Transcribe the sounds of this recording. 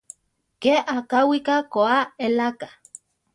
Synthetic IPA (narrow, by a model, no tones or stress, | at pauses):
keakawikakoaelakḁ